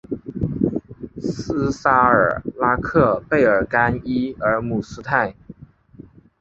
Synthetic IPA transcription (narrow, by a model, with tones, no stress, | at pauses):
ssɹ̩˥sa˥ə̰˞˨˩la˥kʰɤ˥˧pe˥˩ɪə˞˨˩ka˥ni˥ə˞˧˥mu˨˩sɹ̩˥t̪ʰa˥˩ɪ